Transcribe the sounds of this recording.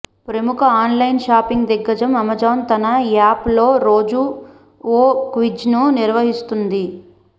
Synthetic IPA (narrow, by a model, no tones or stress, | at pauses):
pɾɐmukʰɐaːnlɐjnʃaːpiŋɡd̪ɛɡːɐd͡ʒɐmɐmɐd͡ʒɐːnt̪ɐnɐjaːplo̞ːɾo̞ːd͡ʒu | oːkʋid͡ʒnuniɾʋɐɦist̪und̪i